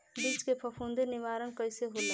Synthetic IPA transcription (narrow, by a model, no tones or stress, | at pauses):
bit͡ʃkepʰəpʰũnd̪enɪʋaːɾənkəɪseɦole